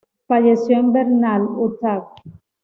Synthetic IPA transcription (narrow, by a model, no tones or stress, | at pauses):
faʎesjombeɾnalot̪ak̚